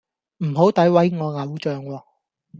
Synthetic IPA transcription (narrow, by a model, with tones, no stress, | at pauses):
m̩˨˩ɦo˨˥wt̪ɐ˨˥jwɐ˨˥jŋɔː˨˧ŋɐ˨˥wt͡ʃœː˨ŋwɔː˧